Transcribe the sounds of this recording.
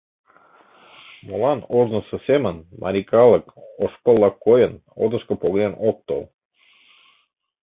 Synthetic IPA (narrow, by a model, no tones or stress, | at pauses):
molɑnoznə̆sɤ̆sʲemənmʔɑ̰ɾʲikɑlˠəkoʃpəlˠːɑkːojəno̰d̪ə̆ʃkə̆poɡ̪enʔok̚t̪o̰lˠ